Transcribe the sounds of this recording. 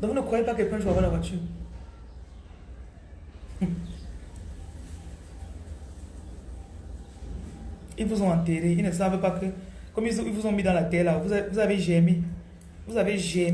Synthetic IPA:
dɔ̃nəkʰʷaipakepɛʃuabalabat͡ʃu | ivuzɔan̩teɾeinɛs̬abepakʰəkɔmiivuzɔmidãlatɛlavuavuzabeʒɛmi | vuzabeʒɛ

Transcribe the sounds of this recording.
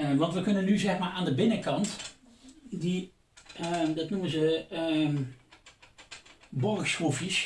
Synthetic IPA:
ʋɑntʋəkɵnənːyzɛxmaːɹaːndəbɪnəkɑnt | di | dɑtnumənzə | bɔrxsfofis

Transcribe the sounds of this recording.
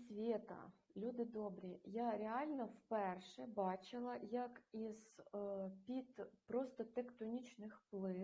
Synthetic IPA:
sʲʋʲit̪ɐ̰lʲud̪ɪd̪ɔbɾʲijaɾʲeɑlʲnɔwpɛrʃɛbɑt͡ʃɪlˠɐjɐkiz̥ | pʲid̪pɾɔst̪ɔt̪ɛkt̪ɔnʲit͡ʃnɪxplˠɪ

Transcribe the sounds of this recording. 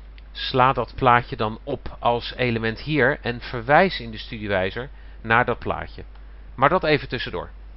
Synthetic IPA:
slaːdɑtplaːcədɑnɔpʰɑlˠsejləmɛntɦiːɹɛnv̥əɹʋɛjsɪndəstydiʋɛjzəɹ | naːɹdɑt̚pla̰ːcə | maːɹdɑtejvətɵsədʊ̰ːɹ

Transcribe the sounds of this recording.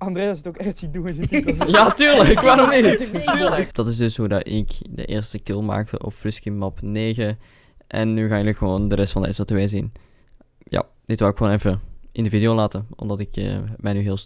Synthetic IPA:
ɑndrejasətokɛxtsidunsjatyːɹləkʋaːrɔnitːləkd̥ɑtɪsdɵsɦudɑ̰ɪkdə̰ʔɪ̰ːɹstək̚tɪlˠma̰ːk̚tʰə̰ʔɔ̰pfrɪskimɑpneːɣə | ʔɛ̰nːyɣaːjəlyxəʋoːndərɛstfɑndəɛ̰sotʋejzin | ja̰ː | d̥ɪtʋawɪkxoːnɛjfəʔɪndəvidijolaːtəɔ̰mdɑtɪkə̰mɛjnyɦɪːlˠs

